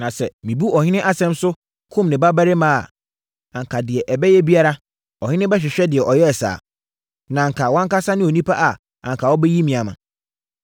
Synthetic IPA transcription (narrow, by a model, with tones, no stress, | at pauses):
nã˨sɛ˨mĩ˨bu˦ɔ˨hɪ̃˦nɪ̃˦ʔa˦sɛ̃˦msʊ˦ | kʰʊ̃˦mnɪ̃˨ba˦bæ˦ɾɪ˦mã˦˨a̰˨ | ã˨ŋ̩˨kʰa˨dɪ˨ɛ˨ʔɛ˨bɛ˦jɛ˦bi˦a˦ɾa˦ | ɔ˨hɪ̃˦nɪ̃˦bɛ˦ɕ̬ᶣɪ˨ɕᶣɛ˦dɪ˨ɛ˨ʔɔ˨jɛ˦ɛ˨sa̰ː˨ | nã˨ŋ̩˨kʰa˨wã˦ŋka˦sa˦nɪ̃˦o˨nĩ˦pʰa˦ʔa˨ | ã˨ŋ̩˨kʰa˨wɔ˦bɛ˦ji˦mĩ˨a˨mã̰˨